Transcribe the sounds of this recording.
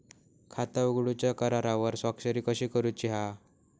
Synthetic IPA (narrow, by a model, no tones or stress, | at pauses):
kʰat̪auɡɽut͡ɕjakəɾaɾaʋəɾsakɕəɾiːkəɕikəɾut͡ɕiɦa